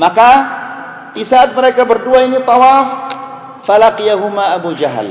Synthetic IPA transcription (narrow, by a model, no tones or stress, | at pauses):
maka | disaːt̪̚məɾekabərduainit̪ˤɑwaːfː | alaqijaɦumaʔabud͡ʒaɦl